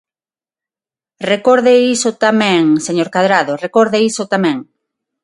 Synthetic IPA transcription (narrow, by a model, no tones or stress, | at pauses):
rekoɾðeisot̪amɛ̃ŋseɲoɾkaðɾaðorekoɾðeisot̪amɛ̃ŋ